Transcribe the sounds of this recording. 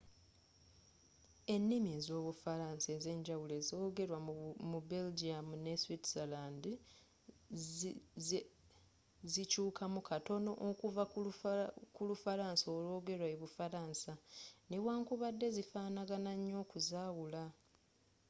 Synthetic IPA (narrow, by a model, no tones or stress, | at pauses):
e̞nːimiezo̞ːβufaɾaːnse̞ze̞ːɲɟawule̞zoːɡe̞ɾwamubeld͡ʒiamune̞switsalaːndi | zicuːkamukʰato̞no̞̰ʔokuva | kulufaɾaːnsoːlwo̞ːɡe̞ɾwaeβufaɾaːnsanewaːŋkuβadːe̞zifaːnaɡanaɲːo̞ːkuzaːwula